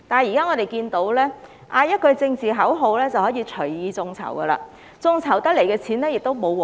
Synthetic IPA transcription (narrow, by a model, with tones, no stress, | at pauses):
t̪aː˨˩njiː˨˩kaː˥ŋɔː˨˧t̪e˨jkiː˧nt̪o˨˥wlɛː˥ | ʔaː˧jɐ˥t̚kɵ˧ɥt͡sɪ˧ŋt͡siː˨ɦɐ˨˥wɦo˨˧wlɛː˥t͡sɐ˨whɔː˨˥jiː˨˧t͡ʃʰɵ˨˩ɥjiː˨˧t͡sʊ˧ŋt͡sʰɐ̰˨˩wɡɐ˧la̰ː˧ | t͡sʊ˧ŋt͡sʰɐ˨˩wt̪ɐ˥k̚le˨˩jkɛː˧t͡sʰiː˨˥nlɛː˥jɪ˨k̚t̪o˥wmo˨˧w